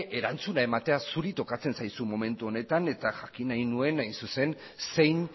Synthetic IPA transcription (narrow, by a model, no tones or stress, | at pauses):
ʔe̞ɾant͡sunae̞mat̪e̞asuɾit̪o̞kat͡se̞nsajsumo̞me̞nt̪uo̞ne̞t̪ane̞t̪aʝakinajnue̞najnsuse̞n | se̞jn